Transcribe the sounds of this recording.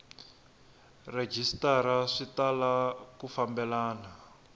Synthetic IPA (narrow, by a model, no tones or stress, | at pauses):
red͡ʒistaɾaʂitalakufambɛlaːna